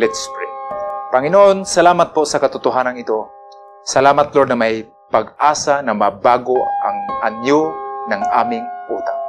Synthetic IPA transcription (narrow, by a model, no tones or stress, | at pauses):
lɪt̪spɾɪ̰ŋpaŋɪnoʔonsalaːmat̪̚pʊʔsakat̪ʊt̪ʊɦaːnaŋɪt̪o | sɐlaːmat̪loɾd̪nɐmaj | paɡ̚ʔaːsanɐmabaːɡoʔa̰ŋanjʊnaŋʔa̰ːmɪŋʔuːt̪aŋ